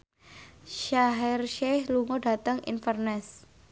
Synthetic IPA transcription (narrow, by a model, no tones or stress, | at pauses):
ʃaɦɛrʃɛhluŋɔɖa̤t̪əŋḭnfərnɛs